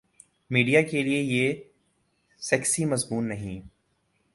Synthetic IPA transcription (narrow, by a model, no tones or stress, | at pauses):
miːɖijakeliejeː | sɛːksimɐzbuːnːɐɦĩ